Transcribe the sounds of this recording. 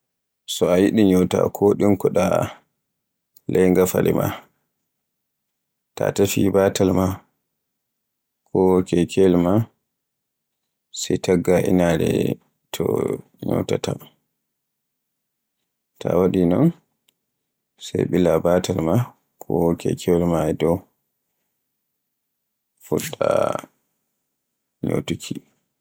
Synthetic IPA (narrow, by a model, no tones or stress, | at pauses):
sɔajiɗiɲɔwta̰kʰɔɗinkɔɗa | lʔɛjŋɡafalɛma̰ | tatafibaːtʰalma | kʰɔwkɛkʰɛlma | sɛjtaɡːaʔḭnaɾɛ̰ | tʰɔ | ɲɔ̰wtatʰa | tʰawaɗinɔn | sajɓilabaːtalma | kʰɔwɔkɛ̰kʰɛlmaɛdɔw | fuɗːa | ɲo̰tukʰi